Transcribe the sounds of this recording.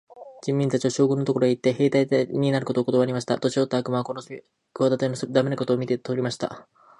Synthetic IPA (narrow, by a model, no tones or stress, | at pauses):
d͡ʑĩmʲːĩnt̪at͡ɕiaɕo̞ːɡɯ̟̃nːo̞t̪o̞ko̞ɾoeit̪ːe̞ɦe̞ːt̪aiɲ̟inaɾɯ̟ko̞t̪oːkooaːɾʲimaɕi̥t̪a̰t̪o̞t͡ɕiot̪ːaːkɯ̟maβakono | koβad̪at̪oenosd̪ame̞nako̞t̪o̞ːmʲit̪et̪oɾʲimaɕi̥t̪a̰